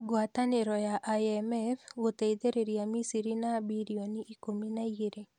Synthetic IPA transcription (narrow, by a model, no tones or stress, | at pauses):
ɡwat̪anɪɾɔjaʔaɛmɛfot̪eid̪eɾeɾijamisiɾinabiɾioniikominajeɾe